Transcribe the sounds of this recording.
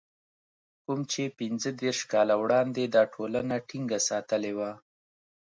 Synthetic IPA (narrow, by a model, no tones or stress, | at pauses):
kumt͡ʃepɪnzəd̪eɾʃkɑlawɽɑnd̪ed̪ɑʈʰolanaʈiŋɡasɑt̪əlewa